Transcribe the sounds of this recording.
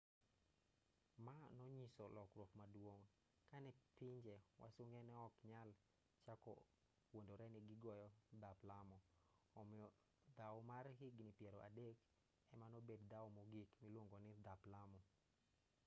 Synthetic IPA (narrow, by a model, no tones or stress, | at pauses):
manɔɲisɔlɔkɾwopmadwoŋ | kanɛpiɲd͡ʒɛwa̰soŋɛnɛɔkɲal | t͡ʃakɔ̰ | wondoɾɛnɪɡɪɡɔjɔd̪aplamɔːmɪɔ | d̪awmarhiɡnɪpjɛɾoʔa̰dek | ɛmanobedd̪awmɔɡikmilwoŋɡonɪd̪aplamɔ